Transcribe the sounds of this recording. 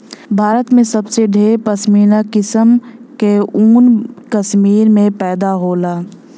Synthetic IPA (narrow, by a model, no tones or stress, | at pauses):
bʱaːɾət̪mẽsəbseɖʱeːɾpəʃmiːnakɪsəmkeuːnkəʃmiːɾmẽpɛːd̪aɦoːlaː